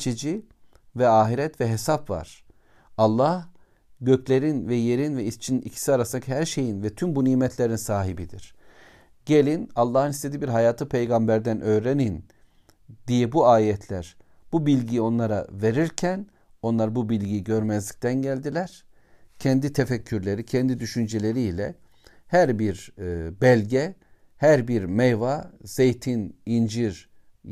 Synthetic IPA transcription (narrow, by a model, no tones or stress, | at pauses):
t͡ʃʰed͡ʒi | vɛaːɦiɾɛt̪vɛɦesapva̰ɾ̥ | alˠːah | ɟøcʰlʲe̞ɾinvɛje̞ɾinvɛist͡ʃʰinicʰi̥siaɾasɯnacʰihæɾʃe̞jinvɛt̪ʰymbuniːmɛt̪ʰlʲe̞ɾinsaːɦibid̪ḭɾ̥ | ɟelʲinalˠːaːhɯnist̪ʰe̞d̪iːbiɾɦajaːt̪ʰɯpʰe̞jɡambæɾd̪ænʔøːɾenin | d̪ijɛbuaːjɛt̪ʰlʲæɾ | b̥ubilʲɟijo̞nlˠaɾave̞ɾiɾcʰæn | o̞nlˠaɾbubilʲɟiɟø̞ɾmɛzlʲic̚t̪ʰænɟælʲd̪ilʲæɾ̥ | cʰɛnd̪it̪ʰefɛcʰːyɾlʲe̞ɾicʰɛnd̪id̪yʃynd͡ʒelʲe̞ɾiːlʲɛ̰ | hæɾbiɾbɛlʲɟɛ | hæɾbiɾmɛjvaz̥ejt̪ʰinind͡ʒiɾ